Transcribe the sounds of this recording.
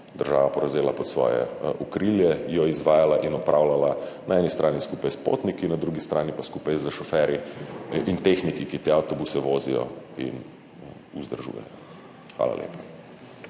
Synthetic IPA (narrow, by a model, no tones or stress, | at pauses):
d̪əɾʒaːʋapɔɾɐzeːlapɔt̪sʋɔ̰ːjɛ̰ʔukɾiljɛjɔizʋaːjalaʔinɔpɾaːwlalanaɛnist̪ɾʔaːniskupajspo̰ːt̪nikinad̪ɾuɡist̪ɾaːnipaskupajzəʃɔfɛɾiʔint̪exnikikit̪eːawt̪ɔbusɛʋoːzijɔ̰ḭn | uzd̪əɾʒṵːjɛ̰jɔ | xʋa̰ːla̰lʔḛːpḁ